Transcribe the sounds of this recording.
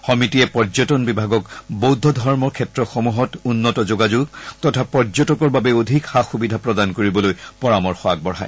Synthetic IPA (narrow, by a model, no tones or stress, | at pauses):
xɔmitiɛpɔɹd͡ʒɔtɔnbibʱaɡɔkbowdʱɔdʱɔɹmɔɹkʰɛtɹɔxomuɦɔtunːɔtɔzoɡad͡ʑuɡtɔtʰapɔɹzɔtɔkɔɹbabɛodʱikxaxubidʱapɹɔdankoɹibɔlojpɔɹamɔɹxɔak̚bɔɹa̰j